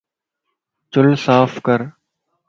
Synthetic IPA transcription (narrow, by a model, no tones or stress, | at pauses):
t͡ʃʊlsaːfkəɾ